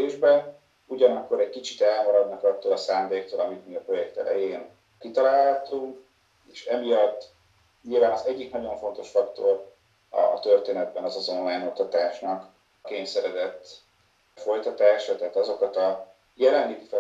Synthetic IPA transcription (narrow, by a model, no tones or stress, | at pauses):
eːʒbɛn | uɟɒnɒkːo̞ɾɛɟkit͡ʃit̪ɛlmɒɾɒd̪nɒkɒt̪ːoːlɒsaːnd̪eːk̚t̪oːlɒmit̪miɒpro̞jɛkt̪ɛ̰lɛ̰jeːn | kit̪ɒlaːlhɒt̪uŋk | eːʃɛmijɒt̪ː | ɲilvaːnɒzɛɟːiknɒɟo̞ɱfo̞nt̪o̞ʃfɒkt̪o̞r | ɒ̰t̪ø̞rt̪eːnɛd̪̚bɛnɒzɒzo̞nlaːjno̞kt̪ɒt̪aːʃnɒk | keːɲsɛɾɛzɛt̪ː | fo̞jt̪ɒt̪aːʃɒt̪ɛɦːt̪ɒzo̞kɒt̪ɒ | jɛlɛnliɡifɛ